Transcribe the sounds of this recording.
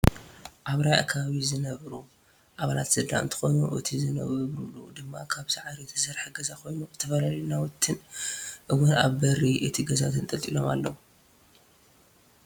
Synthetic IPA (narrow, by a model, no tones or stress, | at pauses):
ʔaβɾaja̰kʰɐβaβizɨnɐβɾu | ʔaβalat̪sɨd̪a̰ʔɨnt̪ʰɨ̥xo̞nuʔɨ̰t̪ʰizɨnɐ̰ββɾulːṵd̪ɨmːakʰaβzaʕaɾit̪ʰɐ̥sɐɾħaɡɐzako̞jnuzɨt̪ʰɐfɐlalnawɔt̪ʰːɨnʔɨwɔna̰βbɐɾiʔɨt̪ʰiɡɐzat̪ʰɨnt̪ʼɐlt̪ʼilo̞ma̰lːɐwu